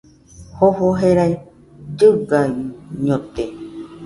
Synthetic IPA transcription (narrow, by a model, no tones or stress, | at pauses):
hoɦoɦeɾai | d͡ʒɨɡaiɲõt̪e